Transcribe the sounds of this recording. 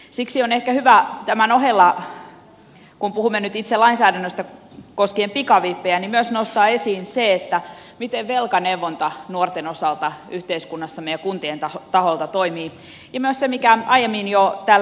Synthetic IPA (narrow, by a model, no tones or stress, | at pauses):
siksionehkæhyʋæt̪æmænohelːɑ | kumpuhumːenyt̪it̪selɑinsæːdænːøst̪ækoskiempikɑʋipːeænimyøsnost̪ɑːesiːnseet̪ːæmit̪eʋʋelkɑnewʋːont̪ɑnuort̪enosɑlt̪ɑyht̪eiskunːɑsːɑmejækunt̪ient̪ɑt̪ɑholt̪ɑt̪oimiː | jɑmyøssemikæɑijemːinjot̪æːl